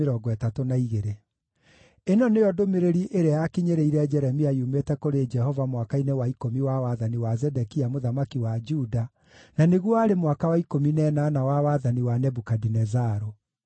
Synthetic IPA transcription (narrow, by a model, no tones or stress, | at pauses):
eɾɔɡɔɛtatonaiɣeɾe | enɔnejɔdomeɾeɾiʔeɾeajakiɲeɾeiɾɛd͡ʒɛɾɛmiaiumetɛkoɾed͡ʒɛhɔvamwakainewaikomiwawaðaniwazɛdɛkiamoðamakiwad͡ʒuda | naneɣwɔaɾemwakawaikominɛːnaːnawawaðaniwanɛbukadinɛzaɾo